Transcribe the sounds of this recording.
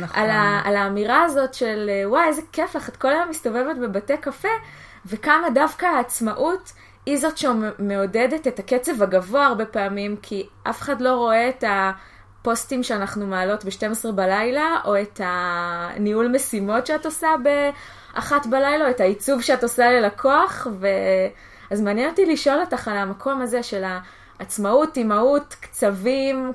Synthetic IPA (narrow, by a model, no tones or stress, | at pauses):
nʔa̰laːlaːmiʁaːzo̞tʃe̞lwajezekeflaχatko̞lajomisto̞vevetbebate̞kafe̞ | ve̞kamadavkaaːt͡smaʔut | hizo̞tʃeme̞odedetetaket͡se̞vaɡavoaːʁbe̞peamimkʰiʔa̰fe̥χadlo̞ʁo̞e̞ːta | po̞stimʃeanaχnumaːlo̞tbeʃte̞mesʁebalajlaʔo̞etaniulmesimo̞tʃeatosabe̞ | ʔa̰χatbalajlaoethait͡suvʃeatosale̞lakʰo̞aχve̞ | azmaːnjenotiliʃo̞lotaχalamakʰo̞maze̞ʃe̞laː | t͡smautimautkt͡savim